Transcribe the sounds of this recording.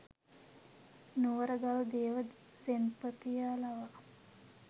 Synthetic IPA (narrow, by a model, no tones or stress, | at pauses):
nuʋəɾəɡalud̪eːʋəd̪ | senpət̪ijaːlaʋa